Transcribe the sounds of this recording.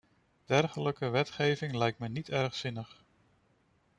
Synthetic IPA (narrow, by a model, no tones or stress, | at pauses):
d̥ɛɹχələkəʋɛtχejvɪŋlɛjk̚tmənitɛɹχsɪnəχ